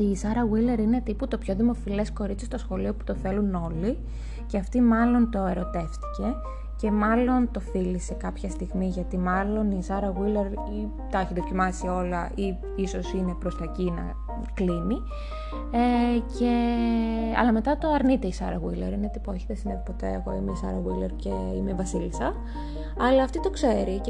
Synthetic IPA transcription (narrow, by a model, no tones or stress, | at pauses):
isɐɾɐɣwileɾine̞t̪iput̪o̞pço̞ðimo̞file̞sko̞ɾitt͡sist̪osxo̞lio̞pu̥t̪o̞θe̞luno̞li | ceɐft̪imɐlo̞nt̪o̞e̞ɾo̞t̪e̞ft̪i̥ce̞ | ce̞mɐlo̞nt̪o̞θilise̞kɐpçɐst̪iɣmiʝɐt̪imɐlo̞nisɐɾɐɣwile̞ɾ | i | t̪ɐeçiðo̞cimɐsio̞lɐʔi | iso̞sine̞pɾo̞st̪ɐcinɐ̰ | klini | ecʰe̞ | ɐ̰lɐme̞t̪ɐt̪o̞ɐɾnit̪e̞isɐ̰ɾɐɣwilḛɾinet̪ipoeçiðesineðipo̞t̪e̞eɣo̞̰imesɐ̰ɾɐɣileɾce̞ | imevɐsilsɐ | ɐlɐːft̪it̪o̞kse̞ɾi